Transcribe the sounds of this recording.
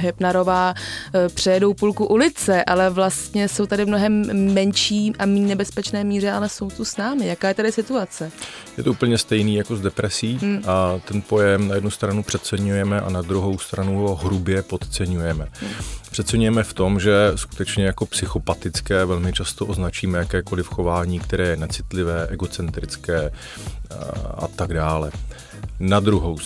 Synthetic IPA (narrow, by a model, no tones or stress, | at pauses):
ɦɛpnaɾo̞vaːpr̝̥ɛjɛdowpulkuʔulɪt͡sɛʔalɛvlast̪ɲɛso̞wt̪adɪmnoɦɛmːɛnʃiːʔamiːnɛbɛspɛt͡ʃnɛːmiːr̝ɛʔalɛso̞wt̪usnaːmɪjakaːjɛt̪adɪsɪt̪uat͡sɛ | jɛt̪ouːpl̩ɲɛst̪ɛjniːjakozdɛpɾɛsiːʔat̪ɛnpo̞jɛmnajɛdnust̪ɾanupr̝̥ɛt̪̚t͡sɛɲujɛmɛʔa̰nad̪ɾuɦo̞wst̪ɾanuɦo̞ɦɾubjɛpo̞t̪t͡sɛɲujɛmɛpr̥ɛt̪t͡sɛɲujɛmɛft̪o̞mʒɛsku̥t̪ɛt͡ʃɲɛjako̞psɪxo̞pat̪ɪt͡skɛːvɛlmɪt͡ʃast̪oʔo̞znat͡ʃiːmɛjakɛːko̞lɪfxo̞vaːɲiːkt̪ɛɾɛːjɛnat͡sɪt̪lɪvɛːʔɛɡo̞t͡sɛnt̪ɾɪt͡skɛː | ʔa̰t̪aɡdaːlɛ | nad̪ɾuɦow